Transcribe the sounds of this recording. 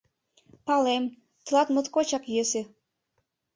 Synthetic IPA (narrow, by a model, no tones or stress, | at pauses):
pɑlem | t̪ɤ̆lɑt̪mə̆t̪kot͡ɕɑkjesĕ